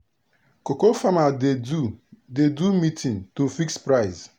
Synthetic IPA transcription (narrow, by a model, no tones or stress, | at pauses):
kokofama | dedumitĩntufikspɾaɪz